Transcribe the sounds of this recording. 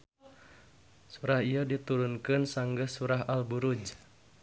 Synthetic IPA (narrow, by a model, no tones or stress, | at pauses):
suɾahijədit̪uɾunkɨnsaŋɡəsuɾaɦalbuɾud͡ʒ